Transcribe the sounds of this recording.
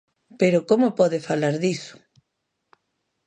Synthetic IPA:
peɾokomopɔðefalaɾðisʊ̥

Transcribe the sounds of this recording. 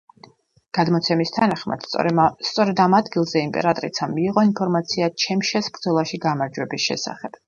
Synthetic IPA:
ɡ̥ad̪mɔt̪sʰɛmist̪ʰanaχma̰d̪̥̰t̪sʼɔɾɛd̪amad̪ɡilˠzɛimpʼɛ̰ɾat̪ʼɾḭt̪sʰamiːʁɔinpʰɔɾmat̪sʰiat͡ʃʰɛmʃɛsbɾd̪zɔlˠaʃiɡamaɾd͡ʒwɛbisʃɛ̰sa̰χɛb̥

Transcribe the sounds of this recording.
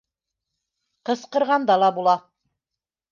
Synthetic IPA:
qɤ̆sqɤ̆ɾʁɑnd̪ɑlˠɑbulˠɑ

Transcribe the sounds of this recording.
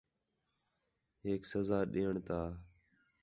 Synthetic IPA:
ɦeːksəzaːɗeːəɳt̪aː

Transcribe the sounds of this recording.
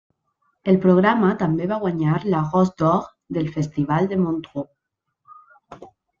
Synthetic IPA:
elpɾoɣ̞ɾamat̪ambeβaɣwaɲaɾlaɣɔzd̪ɔɣ | d̪elfest̪iβ̞ald̪emont̪ʁo

